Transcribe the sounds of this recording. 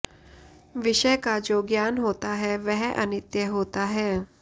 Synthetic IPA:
ʋɪʃəjkad͡ʒoːɡjaːnɦoːt̪aɦɛʋɛɦʔɐ̰nɪt̪jəɦoːt̪aɦɛː

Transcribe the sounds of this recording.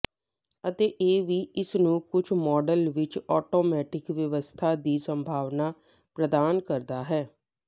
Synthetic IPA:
ət̪eːʔeːʋiːɪsnũːkʊt͡ʃʰmɔːɖəlʋɪt͡ʃɔːʈoːmɛːʈɪkʋjəʋəst̪ʰaːd̪iːsə̃mbʱaːʋnaː | pɾəd̪aːnkəɾd̪aːɦɛː

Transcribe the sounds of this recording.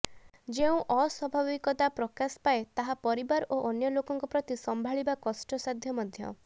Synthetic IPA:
d͡ʒeũʔɔswɔbʱabikɔt̪apɾɔkaspaet̪aɦapɔɾibaɾoʔɔnjɔlokɔŋkɔpɾɔt̪isɔmbʱaɭibakɔsʈɔsad̪ʱjɔmɔd̪ʱjɔ̰

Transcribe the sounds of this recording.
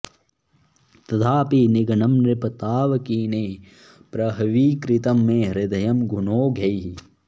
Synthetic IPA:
t̪ɐt̪ʰaːpiːnɪɡɐɳɐmɾɪpɐt̪aːʋɐkiːneː | pɾɐɦɐʋiːkɾɪt̪ɐmːẽːɾɪd̪ɐjɐmɡʱunoːɡʱɐjɦi

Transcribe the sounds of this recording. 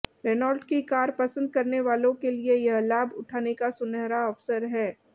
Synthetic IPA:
ɾeːnaːlɖkikaːɾpɐsə̃nd̪̚kɐɾneʋaːlõkeliejɐɦlaːbʱʊʈʰaːnekasʊnɛːɾaɔːfsəɾɦɛː

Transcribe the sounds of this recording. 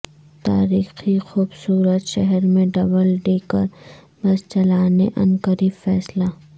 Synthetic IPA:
t̪a̰ːɾiːxixuːbsuːɾət̪ʃɛɦɛɾmẽɖɐbəlɖeːkə̰ɾ | bɐst͡ʃɐlaːneʔɐ̰̃nkəɾifɛːslaː

